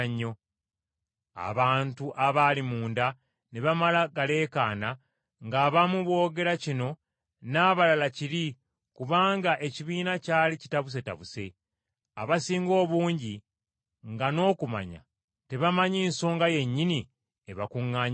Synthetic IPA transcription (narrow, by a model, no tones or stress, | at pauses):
ɲːo̞ | a̰βaːntuʔaβalimuːnda | neβamalaɡale̞ːkaːna | ŋɡaːβamuβwo̞ːɡe̞ɾacino̞ | naːβalalaciɾi | kuβaːŋɡaʔe̞ciβiːnacaːlicitaβus̬e̞ta̰βuse̞ | aβasiːŋɡo̞ːβuːɲɟi | ŋɡano̞ːkuma̰ɲa̰ | te̞βamaɲiːnso̞ːŋɡaje̞ɲːini | e̞βakuŋːaːɲ